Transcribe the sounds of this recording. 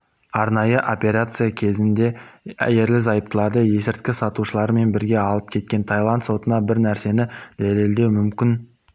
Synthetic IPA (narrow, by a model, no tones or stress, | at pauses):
ɑɾnɑjəʔo̞pʲe̞ɾat̪sɨjakʲʰe̞zɪnd̪e̞æ̰je̞ɾlɪzɑjəp̚t̪əlˠɑɾd̪əje̞sɪɾt̪kʲɪsɑt̪uʃəlˠɑɾme̞nbɪɾɡʲe̞ɑlˠəp̚kʲʰe̞t̪̚kʲe̞nt̪ʰɑjlˠant̪so̞t̪ənɑbɪɾnæɾse̞nɪd̪̥æleld̪e̞wmʏmkʲɪn